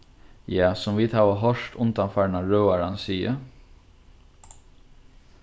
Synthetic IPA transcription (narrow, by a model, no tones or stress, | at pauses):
jaːsʊmviːðhaːʋəɦɔʂt̪ʊnt̪anfaɹnaɹœːaɾansiːə̰